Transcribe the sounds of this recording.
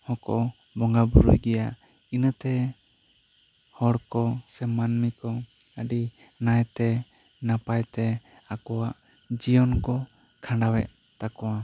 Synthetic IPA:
hɔkɔ̰bɔŋɡabuɾṵjɡɛjaʔinət̪ɛ | hɔɽkɔsɛmanmikɔəɖinajt̪ɛnapajt̪ɛakɔwaʔ | d͡ʒijɔnkɔkʰãɳɖawɛʔ̚t̪akɔwa

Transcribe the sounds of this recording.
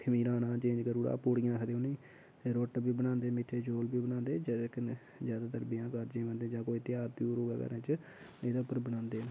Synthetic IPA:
kʰəmiːɾãːnãːt͡ʃẽːɲd͡ʒkəɾuːɽa̰ːpoːɽɪjãːkʰəd̪eːonĩː | eɾoːʈbiːbənãːnd̪eːmɪʈʰːeːd͡ʒoːlbiːbənãːnd̪eːd͡ʒk | zjaːd̪aːt̪əɾbɪjãːkəɾd͡ʒẽːʋənd̪ẽːd͡ʒãːkoːiːt̪ɪjaːɾt̪ijuːɾoːɡa̰ːkə̰ɾẽt͡ʃ | eːd̪aːʊpːəɾbənãːnd̪eːn

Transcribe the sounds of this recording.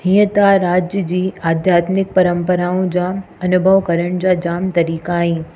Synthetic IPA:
ɦĩːə̃t̪aɾaːd͡ʑjəd͡ʑiːaːd̪ʱjaːt̪mɪk̚pɐɾə̃mpəɾaːũd͡ʑaː | ɐnʊbʱəʋkɐɾəɽ̃d͡ʑaːd͡ʑaːmt̪ɐɾiːkaːɦĩː

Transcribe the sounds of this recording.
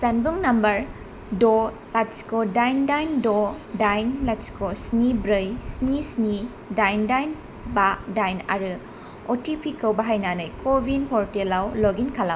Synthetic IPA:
sɐnbuŋnɐmbɐɾ | do | laskodajndajndo | dajnlaskosnibɾɯjsnisni | dajndajn | badajna̰ɾɯ | otipʰikɐwbɐɦajnanajkʰobʱinpʰɔɾtelawloɡinkʰala

